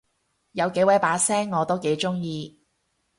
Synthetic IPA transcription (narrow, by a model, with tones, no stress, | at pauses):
jɐ˨˧wke˨˥jwɐ˨˥jpaː˨˥sɛː˥ŋːɔː˨˧t̪o˥wke˨˧˥jt͡ʃʊ˥ŋjiː˧